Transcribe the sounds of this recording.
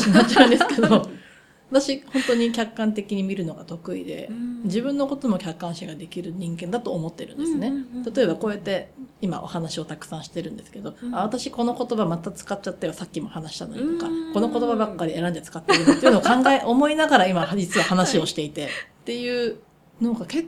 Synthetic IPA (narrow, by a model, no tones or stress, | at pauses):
nat͡ɕã̟nd̪esɨ̥ked̪o | βat̪aɕihõ̞nt̪o̞ɲ̟ikʲakːãnt̪e̞kʲiɲ̟imʲiɾɯ̟no̞ɡat̪o̞kɯ̟ḭd̪e̞̰d͡ʑibɯ̟̃nːo̞ko̞t̪o̞mo̞kʲakːãɰ̃ɕiɡad̪e̞kʲiɾɯ̟ɲ̟ĩŋɡẽ̞nd̪at̪o̞ːmo̞t̪ːe̞ɾɯ̟̃nd̪esɨne̞t̪at̪o̞e̞bakoːjat̪ːe̞ima̰ʔo̞̰hanaɕio̞t̪akɯ̟̥sãɕi̥t̪e̞ɾɯ̟̃nd̪e̞sɨ̥ked̪o̞aβat̪aɕiko̞no̞ko̞t̪o̞bamat̪at͡sɨ̥kat̚t͡ɕːat̪ːajo̞sakʲːimo̞hanaɕi̥t̪ano̞ɲit̪o̞kako̞no̞ko̞t̪o̞babakːaɾʲie̞ɾãnd̪et͡sɨ̥kat̪ːeiɾɯeiɯnookãŋɡaeʔo̞mo̞inaɡaɾaimad͡ʑit͡sɨβahanaɕio̞ɕi̥t̪e̞it̪e̞t̪ːe̞jɯ̟ː | noɡake